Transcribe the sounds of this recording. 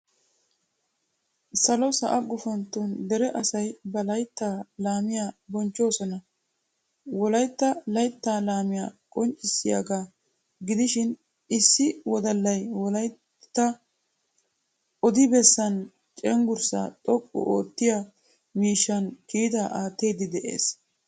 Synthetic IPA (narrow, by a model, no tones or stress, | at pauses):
sɐlɔsɐʔɐɡʊfɔnt̪ːund̪ɛɾɛʔɐsɐjbɐlɐjt̪ːaːlaːmɪjabɔnt͡ʃːo̞ːsɔnɐ | wɔlɐjt̪ːɐlɐjt̪ːaːlaːmɪjakʼɔnt͡ʃʼːɪsːɪja̰ɡaː | ɡɪd̪ɪʃɪn | ʔɪsːɪwɔd̪ɐlːɐjwɔlɐj | t̪ːɐ | ʔɔd̪ɪbɛsːɐn | t͡ʃʼɛŋɡʊɾsa̰ːt̪ʼɔkʼːɔ̰ʔoːt̪ːɪja | miːʃːɐnkiːd̪ɐʔaːt̪ːeːd̪ɪd̪ɛʔḛːs